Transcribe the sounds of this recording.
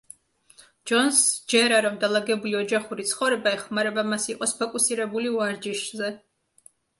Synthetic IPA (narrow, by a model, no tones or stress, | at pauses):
d͡ʒɔnsd͡ʒɛɾaɾɔmd̪alˠaɡɛbuliɔd͡ʒaχuɾit̪sʰχɔvɾɛbaɛχmaɾɛbamasiqʼɔspʰɔkʼusiɾɛbuliuaɾd͡ʒiʃzɛ